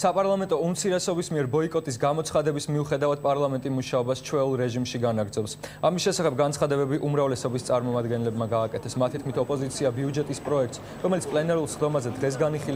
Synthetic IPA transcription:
sapʼaɾlˠamɛnt̪ʼɔumt̪sʰiɾɛsɔbismiɛɾbɔikʼɔt̪ʼis̬ɡamɔt̪sʰχad̪ɛbismiuχɛd̪avad̪̥̚pʼaɾlˠamɛnt̪ʼimuʃaɔbast͡ʃʰwɛulˠɾɛʒimʃiɡanaɡɾdzɔpsamisʃɛsaχɛb̚ɡansʰχad̪ɛbɛbiʔumɾavlɛsɔbist̪sʼaɾmɔmad̪ɡɛnlɛbmaɡaːkʼɛt̪ʰɛsmat̪ʰit̪̚ʰkʰmit̪ʰɔpʼɔzit̪sʰiabiud͡ʒɛt̪ʼispʼɾɔɛk̚t̪s | ɾɔmɛlit̪ʰpʼlɛnɛɾulˠsχd̪ɔmazɛd̪ʁɛs̬ɡaniχil

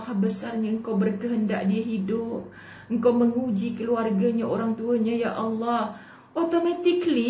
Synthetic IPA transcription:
habəsarɲaəŋkawbərkəɦənda̰ʔdiəɦidʊp̚ | əŋkawməŋud͡ʒikəluarɡaɲaʔoɾaŋt̪uəɲajaʔɑlːɑh | ʔot̪omat̪ikli

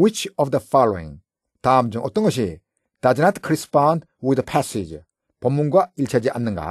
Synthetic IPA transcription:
wit͡ʃɔfd̪əfaloḭ̃ŋ | tamd͡ʒɔŋʔɔtɔŋɔs̬e | d̥ad͡ʒnatkʰɾispãnd | wid̪əpʰasid͡ʒ | pʰɔmuŋɡailt͡ʃʰad͡ʒeʔa̰nːɯŋɡa̰

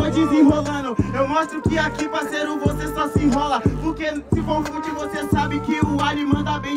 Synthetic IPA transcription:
ɐd͡ʒizĩɦolɐ̃d̪ʊ̃ewmɔʃt̪ɾʊkɪakipɾɐseɾʊvosesɔsɪĩɦɔlɐpoɾkesɪvõw̃vkũt͡ʃɪvosesabɪkɪʊalimɐ̃nd̪abẽ

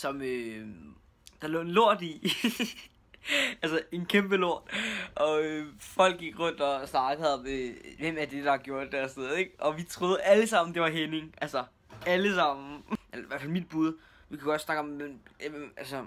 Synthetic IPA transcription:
sɒ̽mø | d̥ɑ̈lɔ̰ːenloɐ̰d̥i | ælsɐe̝nkʰemb̥əlo̝ɐ̰d̥ʔɒ̽øfɒ̽l̰ɡ̥ːiɡ̥ʁɔ̽n̰d̥ɒsnɑ̈ːɡ̥əð̩ˠmeʋem̰æɐd̥e̝d̥ɑ̈ɡ̥jo̝ɐ̰d̥̚ːæɐsn̥eð̩ˠeɡ̥ɒ̽ʋit͡sʰʁo̝ːð̩ˠæləsɑ̈m̰n̩d̥e̝ʋɑ̈ɦene̝ŋʔælsɐ | æləsɑ̈m̰n̩ʔelɐiʋæɐfælmid̥̚b̥uð̞ˠ | ʋikʰuɡ̥ɒ̽d̥snɑ̈ɡ̥ɒ̽mem̰ælsə

